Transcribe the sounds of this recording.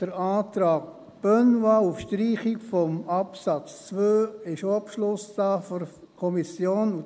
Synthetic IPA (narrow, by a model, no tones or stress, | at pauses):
d̥əɾaːtɾɑːɡ | b̥œnwaufʃtɾiːχɪkfɔmɑpsɑt͡st͡svøːɪʃoɑpʃlʊsd̥ɑːfɔɾ | kʰɔmisjoːnu